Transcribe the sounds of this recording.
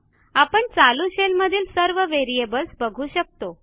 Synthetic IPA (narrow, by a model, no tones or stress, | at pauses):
apəɳt͡saluɕelməd̪ʱiːlsəɾʋəʋeɾiebəlsbəɡʱuːɕək̚t̪o